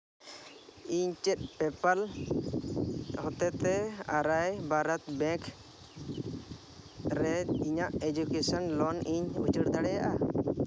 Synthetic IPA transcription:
iɲt͡ʃɛt̪̚pɛpal | hɔt̪ɛt̪ɛaɾajbaɾat̪bɛ̃k | ɾɛiɲaʔed͡ʒukesanlɔniɲṵt͡ʃəɽd̪aɽɛjaʔa

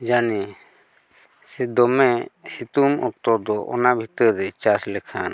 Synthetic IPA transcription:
d͡ʒani | sɛd̪ɔmɛsit̪umɔk̚t̪ɔd̪ɔʔɔ̰nabʱit̪əɾɾɛt͡ʃaslɛkʰan

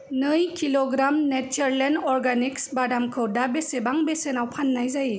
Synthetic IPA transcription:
nɯjkʰilɔɡɾamnet͡ʃəɾlenɔɾɡaniksbadamkʰɯwdabesebaŋbesenawpʰanːajzaji

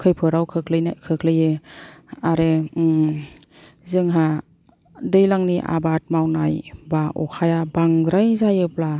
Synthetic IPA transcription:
kʰɯjpʰɯɾawkʰɯkʰlɯnkʰɯkʰlɯjɯ | aɾe | zɯŋɦa | dɯjlaŋniʔa̰bat̚mawnajbaʔɔ̰kʰajabaŋdɾajzajɯpla

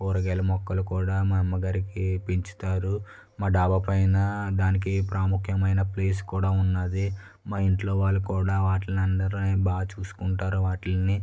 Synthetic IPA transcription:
kuːɾɐɡɛlɐmɔkːɐlukuːɽaːmɐɛmːɐɡaːɾikipiɲt͡ʃi̥t̪aːɾu | maːɖaːbɐpɐjnɐd̪aːnik̬ipɾaːmukʰjɐmɐjnɐpleːs̬u̥kuːɽaːunːad̪i | maːiɳʈlo̞ːʋaːɭːukuːɽaːʋaːʈlɐnɐnd̪ɐɾunebaːɡɐt͡ʃuːsu̥kuɳʈaːɾuʋaːʈilɐni

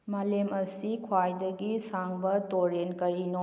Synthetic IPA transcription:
malemɐsikʰwajdɐɡisaŋbɐtoɾenkɐɾino

